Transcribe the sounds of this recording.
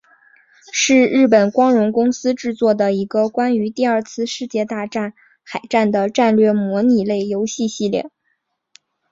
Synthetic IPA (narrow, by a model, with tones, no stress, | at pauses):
ʂɻ̩˥˧ɻɻ̩˥˩pə˨˩nkwɑ˥ŋɻʊ˧˥ŋkʊ˥ŋsɹ̩˥ʈ͡ʂɻ̩˥˧t͡swɔ˥˩d̪ə˩i˧˥ɡə˧kwa˥ny˧˥t̪i˥˧ɐ˞˥˧t͡sʰɹ̩˥˧ʂɻ̩˥˧t͡ɕjɛ˥˧t̪a˥˧ʈ͡ʂa˥˩n | xa˨˩ɪʈ͡ʂa˥˩nd̪ə˩ʈ͡ʂa˥˧nlɥɛ˥˩mwɔ˧˥ni˨˩le˥˩ɪjo˧˥ʊɕi˥˧ɕi˥˧ljɛ̰˥˩